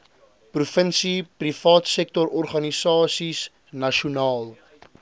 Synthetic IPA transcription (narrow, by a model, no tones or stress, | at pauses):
prufənsiprifɑːtsɛk̚tɔɾɔrχɐnisɑːsis | nɐʃunɑːlˠ